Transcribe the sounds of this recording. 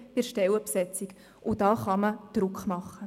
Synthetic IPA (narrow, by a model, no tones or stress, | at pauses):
pɪɾʃtɛwəpsɛt͡sik | ʔʊd̥ɑːχɑməd̥ɾʊkχmɑχːə